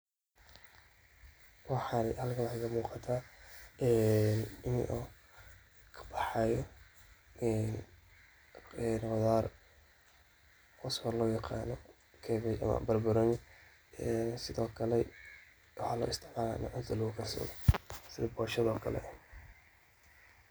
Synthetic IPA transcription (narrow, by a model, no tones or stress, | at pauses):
wɑħɑnhɐlkʰɐlɣɐmuːqɑt̪ʰaːʔɛnɪmɪ̰ʔɔ | kʰɐ̥b̥ɑħɑjɔ | ɛn | ɛnɔðaːr | ʔɔswɐlɔːjɑqɑːnɔ | kʰɛːβɛjʔɐ̰mɐ̰bɐrbʊɾɔn | ɛsɪðɔːkʰɐlɛ | wħɑlɔ̰ːʔɪst̪ʰɪʕmaːla̰ːnɐ̰ʕʊnt̪ʰɐlɐɣʊkʰɐsɔ̰ːɣɔsɪðɐbɔːʃɐðɔːkʰɐlɛ̰ʔ